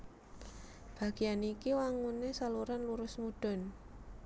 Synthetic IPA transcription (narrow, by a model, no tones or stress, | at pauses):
b̥a̤ɡ̥ijanikiwaŋunesaluɾanluɾʊsmuɖ̥ɔ̤n